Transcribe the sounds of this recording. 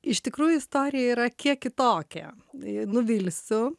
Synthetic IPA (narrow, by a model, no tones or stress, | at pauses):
ɪʃt̪ʲɪkɾuːjʊɪst̪oːɾʲɪjɛiːɾɐkʲiɛkkʲɪt̪oːkʲɛ̰ | nʊʋʲilʲsʲʊ